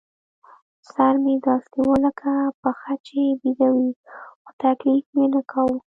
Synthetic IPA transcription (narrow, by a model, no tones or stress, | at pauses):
saɾmed̪ɑsniwəlakʰapəxat͡ʃebid̪awixot̪aklikmenəkʰawu